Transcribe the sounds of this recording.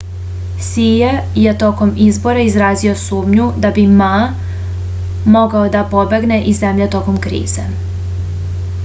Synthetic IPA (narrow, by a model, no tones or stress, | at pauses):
sijejet̪o̞ko̞mizbo̞ɾeizɾaːzio̞suːmɲud̪abima | mo̞ɡaod̪apo̞be̞ɡne̞ʔize̞mʎet̪o̞ko̞mkɾḭːze